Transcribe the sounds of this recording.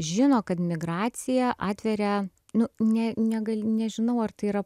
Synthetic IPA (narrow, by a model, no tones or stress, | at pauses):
ʒʲɪnoːkɐt̪mʲɪɡɾɑːt̪sʲɪjɛʔɑːt̪ʲʋʲɛɾʲɛ | nʊnʲɛnʲɛɡɐlʲnʲɛʒʲɪnɐʊɐrt̪ɐɪiɾɐ